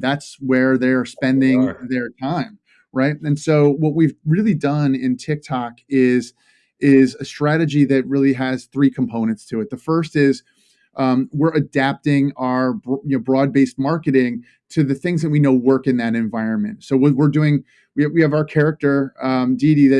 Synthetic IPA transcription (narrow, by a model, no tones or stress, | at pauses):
ðætswə˞ðə˞spɛ̃ndɪ̃ŋðə˞tʰãɪ̃m | ɹaɪt̚ɨ̃nsoʊwʌt̚wivɹɪlˠidʌ̃nɪ̃ntʰɪk̚tʰɑkɪz | ʔɪzɨstɹ̥æɾɨd͡ʒiðɨt̚ɹɪlˠiɨz̥θɹikʰm̩pʰõʊ̃ñɨ̃ntstʰɨɨt̪̚ðɨfɜ˞stɪz | ʔʌ̃wɪɹɨdæp̚tɪ̃ŋaə˞bjɨnoʊbɹɔd̚beɪst̚mɑɹkɨɾɪ̃ŋ | tʰɨðɨθɪ̃ŋzðɨt̚winoʊwɜ˞kɨ̃nðɨɾɨ̃ɱvaɪɹɨ̃nmɨ̰̃ntsoʊwwɪɹdʉɪ̃ŋ | wiwiɨvaʊə˞kʰɛɹɨk̚tə˞ʌdiɾiðɨ